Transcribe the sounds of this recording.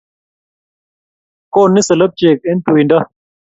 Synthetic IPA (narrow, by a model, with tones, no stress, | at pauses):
koː˦nːi˦sɐ˨lɐ˦b̚t͡ɕeː˨k̚e˦nt̪u˨i˨nda˦